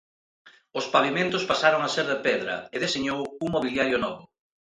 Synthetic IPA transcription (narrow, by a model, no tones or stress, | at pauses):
ʊspaβimẽnt̪ʊspasaɾoŋaseɾðepɛðɾɐ̰eðeseɲowuŋmoβiljaɾjʊnɔβʊ